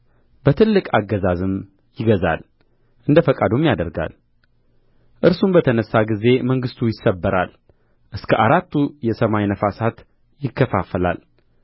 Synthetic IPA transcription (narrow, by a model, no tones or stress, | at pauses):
b̥ət̪ʰɨlːɨkʼaɡːəzazɨm | jɪɡəza̰l | ʔɨnd̪əfəkʼad̪umjad̪əɾɡa̰l | ʔɨɾsumbət̪ʰənəsːaɡize̞məŋɡɨst̪ʰujɪsːəbːəɾal | ʔɨskʰəʔaɾat̪ːujɛsəmajnəfasat̪ | jɪkʰːəfafəla̰l